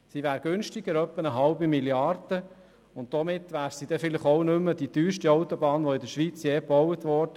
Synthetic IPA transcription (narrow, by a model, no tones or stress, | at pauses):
siʋæːɾɡ̥ɵnʃtɪɡ̥əɾœpːənəɦɑlbimiljɑrd̥ə | ʊnt̚d̥̪ɔmɪt̪ʋæːɾsid̥̪ɛfɪləχɔwnɵmːəd̥idyːʃtiɑʊt̪ɔbɑːnʋɔɪdəʃʋit͡sjeːpɔwət̪ʋɔːɾdə